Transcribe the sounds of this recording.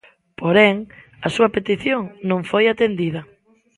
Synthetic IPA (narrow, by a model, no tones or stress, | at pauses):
poɾɛŋ | ɐsuɐpet̪iθjoŋnõŋfojat̪end̪iðɐ